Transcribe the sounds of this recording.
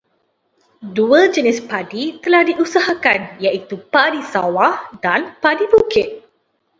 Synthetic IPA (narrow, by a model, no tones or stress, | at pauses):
duəd͡ʒənɪspadit̪əlahdiʔusaɦakanjaʔit̪upadisawahdanpadibukɪt̪̚